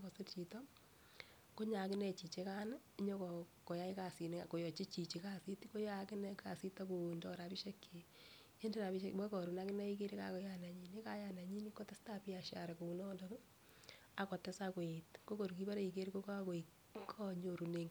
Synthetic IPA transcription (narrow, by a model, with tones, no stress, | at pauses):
kɔ˨sɪ˦t͡ʃi˨tɔ˦ | ko˦ɲa˨kɪ˦nɛ˦t͡ʃi˨t͡ʃe˦ka˦na˦ɲɔ˦kɔ˨kɔ˨ja˦i˦ka˨si˨n˦a˨ko˨jɔ˨t͡ʃi˦t͡ʃi˨t͡ʃi˨ka˦si˦tko˦jakɪ˦nɛ˦ka˨si˦ta˦ko˨ndɔ˦ɾa˨pi˦ʃe˦kːe˨ | e˦nde˦ɾa˨bi˦ʃemɛ˦kɔ˨ɾu˨na˦kɪ˦nɛ˦i˦ke˦ɾi˦ka̰˦kɔ˨˦ja˦na˨ɲi˨ni˦ka˦ja˨na˨ɲi˦ni˦kɔ˦tɛ˦sta˦pi˦a˨ʃa̰˨ɾɛ˨ko˨u˨nɔ˦ndɔm˦ | a˨kɔ˨tɛ˦sa˦ko˨itko˦ko˨ɾu˨ki˦ba˦ɾɛ˦i˨ke˦ɾi˦ko˦kkoi | kʰɔ˦ɲo˨ɾu˨ne˨ŋ